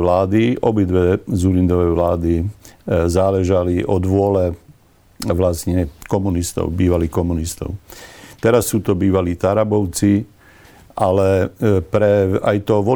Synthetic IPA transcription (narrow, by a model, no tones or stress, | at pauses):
laːd̪iɔbid̪ʋɛzuɾind̪ɔʋɛjʋlaːd̪i | zaːlɛʒaliʔɔd̪ʋʊɔlɛ | ʋlast̪ɲɛkɔmunist̪ɔ̰ʊbiːʋaliːxkɔmunist̪ɔ̰ʊt̪ɛɾasːuːt̪ɔbiːʋaliːt̪aɾabɔʊt͡si | ʔalɛpɾɛa̰jt̪ɔʋɔ